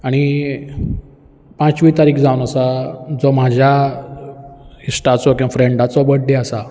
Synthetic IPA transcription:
aɽ̃i | pãt͡sʋiːt̪aɾiːkd͡zawnəsad͡zɔm̤ad͡ʑʱja | isʈat͡sɔkĩw̃afɾeɳɖat͡sɔbəʈ̚ɖeasa

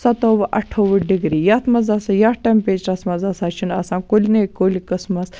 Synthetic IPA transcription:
sɐt̪oʋɐʔɐʈʰoːʋəɖiɡɾiːjat̪ʰmɐzasɐjaːʈɐmpeːt͡ʃɾɐsmɐzaːsaːt͡ʃʰinaːsãːnkolʲinekoːlʲikəsmɐs

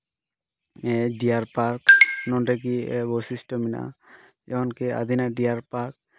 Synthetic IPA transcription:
ɛɖiaɾpaɾknɔnʈak̬iɛ̰bɔsisʈɔmina̰ʔ | ɛɦɔnkea̰d̪ʱinaɖiaɾpaɾk̚

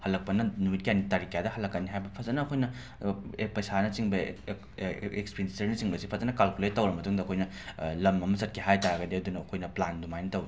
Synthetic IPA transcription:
hɐlːɐk̚pɐnɐnumit̚kianitaɾikjadɐhɐlːɐkːɐnːiɦajbɐpʰɐzɐnɐːkʰojnɐ | epɐjsanɐt͡ʃiŋbɐ | ekspeindisɐɾnɐsiŋbɐsi̥pʰɐzɐnɐkalkuletɐwɾɐmɐtuŋdɐkʰojnɐ | lɐmɐmɐsɐt̚kʰiɦajtaɾɐɡɐdiɐdunɐːkʰojnɐplandumajnɐtɐwi

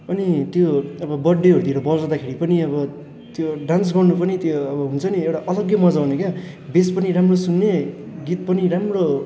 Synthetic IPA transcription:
ʌnit̪joʌbʌbʌɖːeɦʌɾud̪ieɾʌbʌd͡zʌd̪akʰeɾipʌniʌβʌ | t̪joɖãnsɡʌrnupʌnit̪joʌbʌɦunt͡sʰʌniewʈaʔʌlʌɡjʌmʌd͡zaɦuneka | bespʌniɾamrosunːeɡit̪̚pʌniɾamro

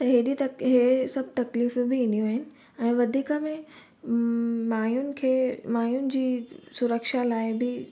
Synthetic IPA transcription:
t̪ɐɦeɗit̪ɐɦesɐb̚ʱt̪ɐkliːfbɪɪ̃nd̪ijũaːɦɪnɪ̆ | ɛ̃ːʋɐd̪ʱiːkəmẽ | maːjʊnɪ̆kʰeːmaːjʊnɪ̆d͡ʑiːsʊɾəkʃalaːɪbɪ

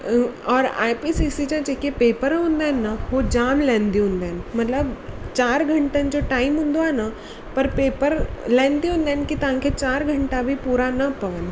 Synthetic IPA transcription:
ɔːɾa̰ːjpisisid͡ʑãd͡ʑekepeːpəɾɦũnd̪aːɦnːəhod͡ʑaːmlɛ̃ːnd̪iɦũnd̪aːnɪ̆mɐt̪ləbt͡ɕaːɾɡʱɐ̃ɳʈənɪ̆d͡ʑoʈaːimɦũnd̪oaːnə | pɐɾpeːpəɾlɛ̃ːnd̪iɦũːnd̪aːnkit̪ɐʋ̤ãkʰet͡ɕaːɾɡʱə̃ɳʈabʱipuːɾanəpɐʋən

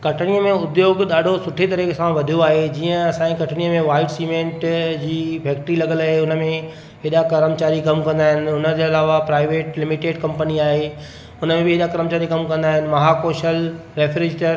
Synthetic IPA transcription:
kɐʈʰɪɽ̃ijəmẽʊd̪joːɡɗaːɖʱosʊʈʰet̪ɐɾiksãʋɐd̪ʱijoaːɦed͡ʑiːə̃ɐsãːĩkɐʈʰɽ̃ijəmẽʋaːɪlɖsiːmẽːɳʈd͡ʑiːpʰɛːk̚ʈɾilɐɠəlaːɦeʊnə̆mẽ | ɪɗakɐɾəmt͡ɕaːɾikɐmkɐ̃nd̪aːɦɪnɪ̆ʊnəd͡ʑeɐlaːʋapɾaːɪʋeːʈlɪmɪʈeːɖkɐ̃mpəniaːɦe | ʊnəmẽbɪɪɗakɐɾəmt͡ɕaːɾikɐmkɐ̃nd̪aːɦɪnɪ̆mɐɦakoːʃəl | ɾeːfɾɪd͡ʑʈəɾ

